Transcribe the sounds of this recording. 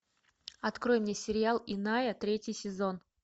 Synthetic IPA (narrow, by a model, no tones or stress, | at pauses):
ɐt̪kɾo̞jmnʲesʲɪɾʲɪalˠɪnajət̪ɾʲetʲjɪjsʲɪzo̞n